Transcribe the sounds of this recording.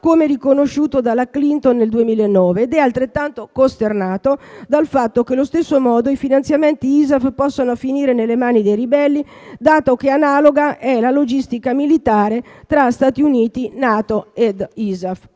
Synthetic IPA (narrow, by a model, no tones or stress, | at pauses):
komerikonoʃːuːt̪od̪alaklint̪onːeld̪uemiːlaenːɔːveːd̪ɛalt̪ɾet̪ːant̪okost̪ernaːt̪od̪alfat̪ːokelost̪esːomɔːd̪oifinant̪sjament̪iiːzafpɔsːanofiniːɾenelːemaːnid̪ejribɛlːi | d̪aːt̪ok̟eanaːloɡaʔɛlalod͡ʒist̪ikamilit̪aːɾet̪ɾast̪aːt̪iuniːt̪inaːt̪oed̪iːzaf